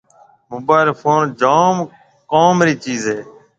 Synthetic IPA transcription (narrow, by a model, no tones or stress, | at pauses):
mʊbaːɪlfoːnd͡ʒaːm | koːmɾiːt͡ʃiːzɦeː